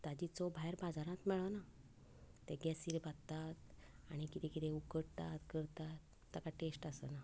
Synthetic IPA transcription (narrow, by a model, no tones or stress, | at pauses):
t̪ad͡ʑit͡sɔbʱajɾbad͡zaɾãt̪mɛɭʋana | t̪eɡɛsiːɾbat̪t̪at̪ | aɽ̃ikit̪ekit̪ʰeukəɽt̪at̪kəɾt̪at̪ːakaʈesʈasəna